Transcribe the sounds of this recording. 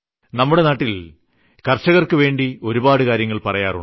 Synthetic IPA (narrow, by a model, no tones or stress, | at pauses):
nɐmːuɽe̞naːʈːil | kɐrt͡ɕːɐɣɐrkɨʋe̞ːɳɖio̞ɾubaːɽɨkaːɾjɐŋːɐɭpɐrɐjaːru